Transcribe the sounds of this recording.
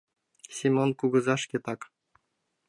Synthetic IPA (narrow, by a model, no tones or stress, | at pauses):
sʲimʲonkuɡɤ̆zɑʂkʲet̪ɑk